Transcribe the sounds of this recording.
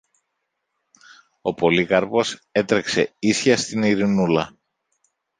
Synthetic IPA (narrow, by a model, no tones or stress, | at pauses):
o̞po̞likɐɾpo̞se̞t̪ɾe̞kse̞isçɐst̪iniɾinulɐ